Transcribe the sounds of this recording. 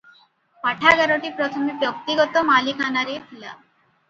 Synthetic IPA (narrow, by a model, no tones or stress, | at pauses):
paʈʰaɡaɾoʈipɾɔt̪ʰɔmebjɔk̚t̪iɡɔt̪ɔmalikanaɾet̪ʰila